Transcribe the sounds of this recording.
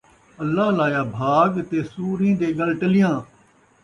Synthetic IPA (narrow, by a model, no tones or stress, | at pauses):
əlːaːɦlaːjaːbʱaːɡt̪eːsuːɾĩːd̪eːɡəlʈəlɪjãː